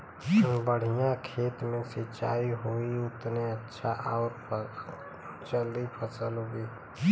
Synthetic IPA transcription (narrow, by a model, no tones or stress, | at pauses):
bəɽ̤ijãkʰeːt̪mẽsɪt͡ʃa̰ːiɦoiʊt̪neətːʃʰaʔaʊɾpʰ | t͡ʃəld̪ipʰəsəloɡiː